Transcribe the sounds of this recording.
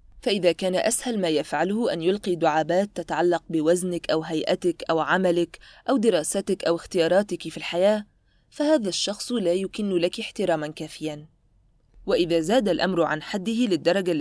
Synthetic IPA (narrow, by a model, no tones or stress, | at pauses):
faʔɪðaːkaːnaʔashalmaːjafʕalʊhʊʔanjʊlqiːd̪ʊʕaːbaːt̪ːat̪aʕalːɑq̚bɪwaznɪkʔawɦajʔat̪ɪkʔawʕamalɪkʔawd̪ɪɾˤɑːsat̪akʔawɪxt̪ɪjɑːɾˤɑːt̪ɪkfilħajaː | fahaːðaʃːɑxsˤlaːjʊkɪnːlakħt̪ɪɾˤɑːmankaːfɪjan | waʔɪðaːzaːd̪alʔamɾʕa̰nħad̪ːɪhɪlɪd̪ːɑɾˤɑɡa